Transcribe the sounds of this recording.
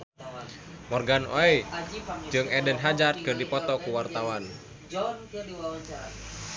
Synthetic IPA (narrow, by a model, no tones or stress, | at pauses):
mɔrɡanɔ̰ɛ | d͡ʒɨŋɛdənɦad͡ʒart̪̚kɨrdipɔt̪ɔkuwart̪awan